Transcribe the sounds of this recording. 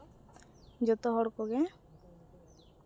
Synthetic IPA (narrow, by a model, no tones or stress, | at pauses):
d͡ʒɔt̪ɔɦɔɽkɔɡɛ